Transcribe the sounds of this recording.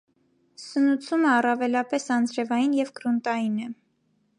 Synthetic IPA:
sənut͡sʰuməɑrɑvɛlɑpɛsɑnd͡zɾɛvɑjinjɛvkɾunt̪ɑjinɛ

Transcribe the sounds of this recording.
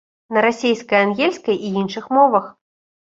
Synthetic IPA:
nɐɾasʲejskɐjanɣʲelʲskɐjiinʂɨxmɔvɐx

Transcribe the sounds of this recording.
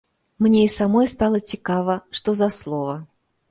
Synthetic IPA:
mnʲeisɐmojst̪ɑlˠətʲɪkavəʂt̪ozɐslˠovə

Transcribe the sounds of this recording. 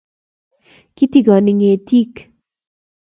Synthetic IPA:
kit̪iɡaniŋet̪ʰiːk

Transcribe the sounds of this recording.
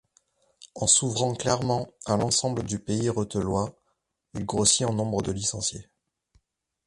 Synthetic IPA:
ɑ̃suvʁɑ̃klɛʁmɑ̃alɑ̃sɑ̃bləd̪ypeiʁɔt̪əlwa | ilɡʁosiɑ̃nɔ̃bʁəd̪əlisɑ̃sje

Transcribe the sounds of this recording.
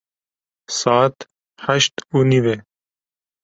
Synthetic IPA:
saːt̪ | hɐʃt̪uniwe

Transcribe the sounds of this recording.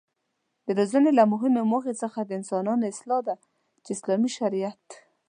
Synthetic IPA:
d̪əlozanelamʊɦɪmemoxet͡səxad̪əɪnsɑnɑnɪslɑd̪a | t͡ʃeɪslɑmiʃaɾijat̪

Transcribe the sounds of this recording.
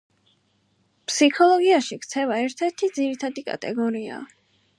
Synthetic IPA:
pʰsikʰɔlˠɔɡiaʃikʰt̪sʰɛvaɛɾt̪ʰɛɾt̪ʰid̪ziɾit̪ʰad̪ikʼa̰t̪ʼɛ̰ɡɔɾia̰

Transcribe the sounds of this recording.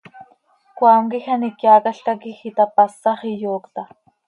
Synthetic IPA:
kwaːŋkixanikjaːkaɬt̪akixit̪apasːɑχijoːkt̪a

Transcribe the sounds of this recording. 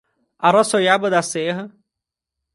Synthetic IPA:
aɾɔsojabɐd̪aseɦɐ

